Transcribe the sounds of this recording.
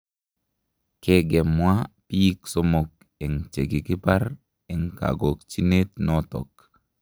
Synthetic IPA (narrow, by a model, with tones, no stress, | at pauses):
ke˦ɡɛ˨mwa˦pi˦i˦kso˦mo˨k̚ | e˨ŋt͡ʃe˨ɡi˨kɪ˦pa˦ɾ | e˨ŋka̰˨ɡo˨k̚t͡ʃi˦ne˦t̪nɔ˦tɔ̰˨k̚